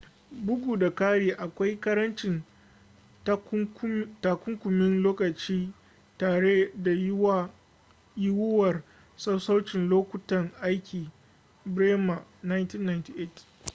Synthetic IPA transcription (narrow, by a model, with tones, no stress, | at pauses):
bʊ˦ɡʷuː˨da˨kaː˦ɽeː˨ʔa˨kʷa˦jkɐ˦ɾɐ˦nt͡ʃɪ˨n˦ | taː˨kʷʊ˦ŋkʷʊ˨mɪ˦nloː˦kɐ˨t͡ʃiː˦ | taː˨ɽe˦da˨jwa˦ | jɪ˦wʊ˦wɐ˨r | sɐ˦wsa˦wt͡ʃɪ˨nloː˦kʷʊ˨tɐ˨ŋʔa˦jkʲʰiː˨ | bɽeː˦ma˨na˦jnti˦nːa˨jnti˦ʔe˦˨t